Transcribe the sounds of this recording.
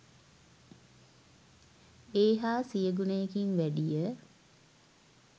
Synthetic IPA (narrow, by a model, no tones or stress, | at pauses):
eːɦaːsijəɡunəjekiŋʋæɖijə